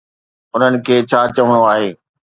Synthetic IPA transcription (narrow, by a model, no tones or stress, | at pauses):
ʊn̤ənɪ̆kʰeːt͡ɕʰaːt͡ɕɐʋəɽ̃oaːɦeː